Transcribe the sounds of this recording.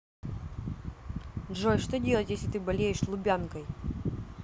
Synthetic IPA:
ʐɔjʂt̪ɔdʲelˠətʲjesʲlʲɪt̪ɨbɐlʲejɪʂslˠʊbʲankɐj

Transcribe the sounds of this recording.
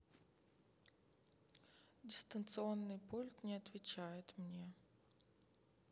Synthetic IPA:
dʲɪst̪ənt̪sɨonːɨjpulʲt̪nʲɪɐt̪vʲɪt͡ɕajɪt̪mnʲe

